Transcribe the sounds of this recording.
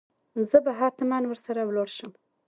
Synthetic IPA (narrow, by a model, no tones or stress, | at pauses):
zəbaɦɑt̪ɪmɑnwəɾsaɾawloɾʃəm